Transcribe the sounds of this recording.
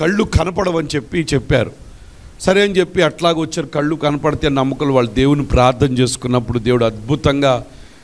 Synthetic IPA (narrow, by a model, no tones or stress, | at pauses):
kɐɭːukʰɐnɐpɐɽɐʋɐnit͡ʃe̞pːit͡ʃɛpːaːɾu | sɐɾeɐnt͡ʃepːiɐʈlaːɡʋɐt͡ʃːaːɾukɐɭːukɐnɐpɐɽɐt̪eːnɐmːɐkɐluʋaːɭːɐd̪eːwunipɾaːɾt̪ʰːɐmt͡ʃe̞ːsu̥kunːɐpːuɽud̪e̞ːwuɽuɐd̪̚bʱut̪ɐŋɡaː